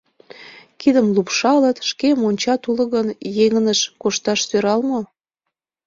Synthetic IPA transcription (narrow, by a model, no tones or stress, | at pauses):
kid̪əmlupʃɑlət̪ʃkemonʲt͡ɕɑt̪ulə̆ɣənjeŋənəʃkoʃt̪ɑʃsøɾɑlmo